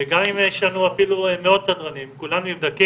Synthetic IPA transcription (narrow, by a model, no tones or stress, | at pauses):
ɡamimjɛʃlanuafilumeo̞d̪̚t͡sad̪ʁanimkulanumivd̪aki